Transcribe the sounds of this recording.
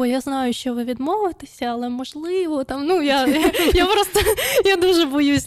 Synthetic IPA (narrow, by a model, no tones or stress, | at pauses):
jaznajʊʃt͡ʃɔʋɨʋʲid̪movɪt̪ɪsʲɐɐlˠɛmɔʐlˠɪʋɔt̪amnujajapɾost̪əjad̪uʐɛbɔjusʲ